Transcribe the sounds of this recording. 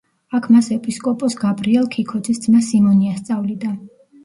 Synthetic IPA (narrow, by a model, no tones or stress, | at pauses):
akʰmasɛpʼiskʼɔpʼɔsɡabɾiɛlˠkʰikʰɔd̪zisd̪zmasimɔniast̪sʼavlid̪a